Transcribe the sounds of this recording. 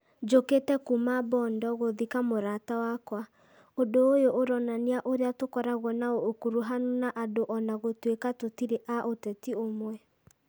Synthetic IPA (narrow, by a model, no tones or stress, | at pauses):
d͡ʒoketɛkumabɔndɔɣoðikamoɾatawakwa | odoːjoʔoɾɔnaneaʔoɾeatokɔɾaɣɔnaookuɾuɦanonaʔadoʔɔnaɣotwekatotiɾeʔaʔotɛtiomwɛ